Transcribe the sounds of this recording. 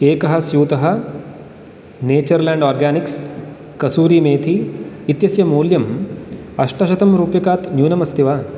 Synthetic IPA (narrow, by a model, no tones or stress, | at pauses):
eːkɐɦɐ̆sjuːt̪ɐɦɐ̆ | neːt͡ʃɐɾlãːɳɖoːɾɡaːniks | kɐsuːɾimeːt̪ʰiːt̪jɐsjɐmuːljɐm | ɐʂʈɐʃɐt̪ɐmɾuːpjɐkaːt̪njuːnɐmɐst̪iʋaː